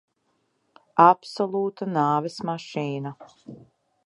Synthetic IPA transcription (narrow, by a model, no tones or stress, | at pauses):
apsɔlˠuːt̪anaːvɛsmaʃiːna